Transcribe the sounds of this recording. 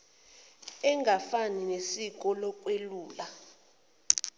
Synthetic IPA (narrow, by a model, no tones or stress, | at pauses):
ɛŋɡʱafaninesik̬ɔlɔkʼweluːla